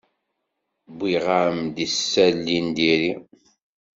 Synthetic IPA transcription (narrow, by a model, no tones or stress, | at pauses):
biʁaɾəmd̪isːælːind̪iɾi